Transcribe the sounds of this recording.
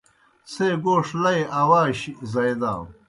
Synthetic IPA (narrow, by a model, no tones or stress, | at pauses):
seɡoːʂlɐjɐwaːɕizɐjd̪a̰ːw